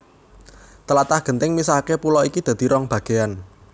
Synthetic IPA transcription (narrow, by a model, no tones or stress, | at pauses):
t̪əlat̪ahɡ̥ə̤nt̪ɪŋmisahkepulɔikid̪̥ä̤d̪̥i̤ɾɔŋb̥ä̤ɡ̥e̤an